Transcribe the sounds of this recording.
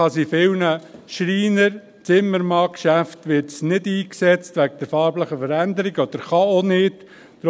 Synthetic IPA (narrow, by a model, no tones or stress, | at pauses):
ɑsifɪwnəʃɾiːnəɾ | t͡sɪmːəɾmɑːkʃæftʋɪɾtsnɪdiːksɛt͡stʋæɡəd̥ɛɾfɑːɾbləχəfəɾænd̪əɾɪɡɔd̥̪əɾχɑonɪd̥ | d̥ɾ